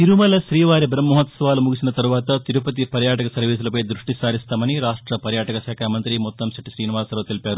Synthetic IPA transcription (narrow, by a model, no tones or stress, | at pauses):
t̪iɾumɐlɐʃɾiːʋaːɾibɾɐmːuɦɐt̪sɐʋaːlumuɡisinɐt̪ɐɾuʋaːt̪ɐt̪iɾupɐt̪̬ipɐɾjaːʈɐkɐsɐɾʋiːs̬ulɐpɐjd̪ɾuʂʈisaːɾist̪aːmɐniɾaːʂʈɾɐpɐɾjaːʈɐkɐʃaːkʰaːmɐnt̪ɾimɔt̪ːɐmsɐʈiʃɾiːniʋaːsloːt̪ilipjaːɾu